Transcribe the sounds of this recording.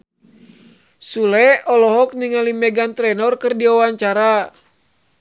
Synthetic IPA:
sulɛɔlɔɦɔk̚niŋalimɛɡant̪ɾɛnɔrkɨrdiawaɲt͡ʃaɾa

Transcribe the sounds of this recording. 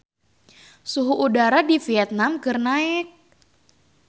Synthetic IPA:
suɦuʔudaɾadifiɛt̪̚namkərnaɪk̚

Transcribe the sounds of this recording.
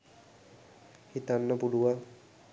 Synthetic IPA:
hit̪anːəpuɽuʋa

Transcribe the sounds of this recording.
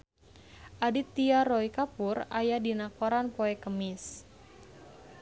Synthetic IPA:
ʔadit̪iaɾɔikapurajadinakoɾanpoɛkəmɪs

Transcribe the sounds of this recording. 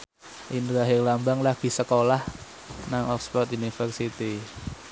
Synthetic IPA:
ʔindɾaɦelambaŋlaɡ̥i̤səkolah | naŋɔkspɔt̪unifərsit̪i

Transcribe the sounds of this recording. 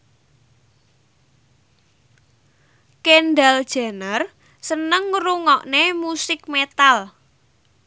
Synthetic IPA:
kenɖald̥ʒ̥a̤nər | sənəŋːɾuŋɔʔnemusɪk̚met̪al

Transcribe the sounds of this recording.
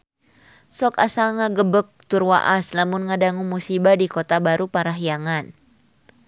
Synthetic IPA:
sɔkasaŋaɡəbək̚t̪urwa̰ʔaslamʊnŋadaŋumusibadikɔt̪abaɾupaɾaɦijaŋan

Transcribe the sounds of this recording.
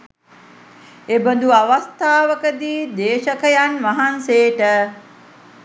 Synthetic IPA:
ebənd̪uaʋast̪aːʋəkəd̪iːd̪eːʃəkəjanʋaɦanseːʈə

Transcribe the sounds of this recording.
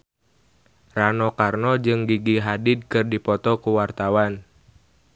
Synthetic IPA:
ranɔkarnɔd͡ʒɨŋɡiɡiɦadɪd̚kɨrdipɔt̪ɔkuwart̪awan

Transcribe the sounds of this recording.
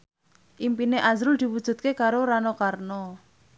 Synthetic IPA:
ʔimpineʔazɾʊld̪̥i̤wud̥ʒ̥ṳt̪̚kekaɾoɾanɔkarnɔ

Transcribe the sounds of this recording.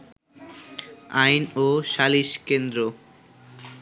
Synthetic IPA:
ajnoʃaliʃkend̪ɾo

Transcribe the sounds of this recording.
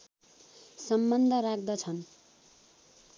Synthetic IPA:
sʌmbʌnd̪ʱʌɾakʰd̪ʌt͡sʰʌn

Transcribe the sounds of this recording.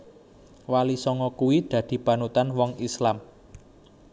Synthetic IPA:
walisɔŋɔkuwid̪̥ä̤d̪̥i̤pa̤nut̪anwɔŋislam

